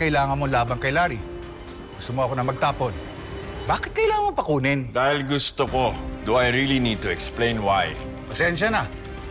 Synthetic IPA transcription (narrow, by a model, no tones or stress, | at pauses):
kɐʔɪlaːŋɐnmolaːbɐŋkɐjlaːɾi | ɡʊst̪omoɐkonɐmɐɡ̚t̪aːpo̞l | baːkɪt̪kɐʔɪlaːŋɐmɐŋpɐkuːnɪnd̪aːhɪlɡʊst̪okod̪ʊʔɐjɾilinid̪̚t̪ʊɛksplẽjnwaj | pɐsɛnʃɐnɐ